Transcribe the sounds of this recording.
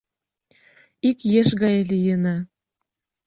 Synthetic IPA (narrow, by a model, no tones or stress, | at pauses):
ikjeʃɣɑjelijənɑ